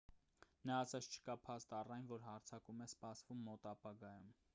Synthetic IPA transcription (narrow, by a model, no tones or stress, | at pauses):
nɑːsɑt͡sʰt͡ʃʰə̥kɑpʰɑst̪ɑrɑjnvɔɾɦɑɾt͡sʰɑkumɛspɑsvumːɔt̪ɑpɑɡɑjum